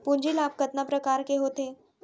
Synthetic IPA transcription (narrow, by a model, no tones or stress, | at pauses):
puɲd͡ʑilab̚kət̪napɾəkaɾkeɦot̪e